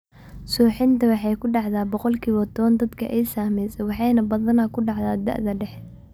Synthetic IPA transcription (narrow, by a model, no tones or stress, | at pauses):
suːħɪnt̪ʰɐwɑħɑjkʰʊɖɑʕðaːbɔqɔlkʰiːβɔt̪ʰɔβɐnd̪ɐd̪kʰɐ̰ʔɛjsaːmɛjsɛwɑħɑjnɐbɐðɐnakʰʊɖɑʕðaːd̪ɐ̰ʔðɐɖɛħ